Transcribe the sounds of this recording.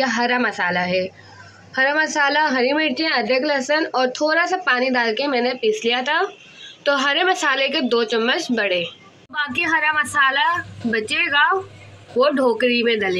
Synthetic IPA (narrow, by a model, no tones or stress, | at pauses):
aɦɐɾamɐsaːlaɦɛː | hɐɾamɐsaːlaɦɐɾimɪɽt͡ʃẽɐd̪ʱjəklɐsənɔːɾt̪ʰoːɾasapaːnid̪aːlkemɛ̃ːnepiːslijat̪ʰa | t̪oɦɐɾemɐsaːleked̪oːt͡ʃɐmːət͡ʃbɐɽeː | baːkiɦɐɾamɐsaːlabɐt͡ʃeːɡaːʋoɖʱoːkɾimẽd̪ɐleː